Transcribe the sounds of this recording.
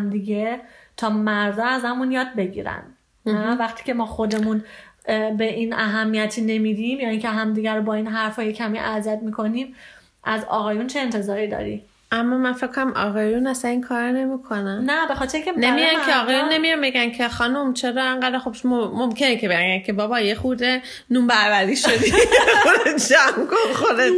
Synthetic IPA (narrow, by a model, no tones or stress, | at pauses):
md̪iɟe̞t̪ʰɒːmæɾd̪ɒːæzæmunjɒːd̪̚be̞ɟḭːɾæ̰n | nvæxt̪ʰi̥ːcʰe̞mɒːxo̞d̪e̞mun | be̞ʔiːnæɦæmːijæt̪ʰiːne̞miːd̪imjɒːiːcʰe̞ɦæmd̪iɟæɾobɒːiːnɦæɾfɒːjecʰæmiʔæziæd̪miːkʰo̞niːm | ʔæzɒ̰ːɣɒːjunt͡ʃʰe̞ːnt̪ʰe̞zɒːɾid̪ɒ̰ːɾḭ | ʔæmːɒmænfekʰːonæmʔɒ̰ːɣɑjunæsæniːkʰɒːɾɔne̞mikʰonænnæbe̞xɒːt̪ʰeɾeĩːŋcʰenemijɑnkʰeɒːɣɒjunːe̞mijɒmbe̞ɡæncʰeχɒːnomt͡ʃʰeɾɒːeŋɢæd̪æɾxobomomcʰe̞necʰebeɡænkʰe̞bɒːbɒjexuːd̪e | nuːmbæɾvæɾiːʃod̪iod̪ed͡ʒæmkonxod̪eʃ